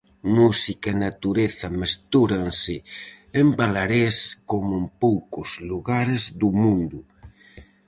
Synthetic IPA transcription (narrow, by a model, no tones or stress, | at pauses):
musikaenat̪uɾeθamest̪uɾansɪ | embalaɾeskomʊempowkozluɣaɾezðumũnd̪u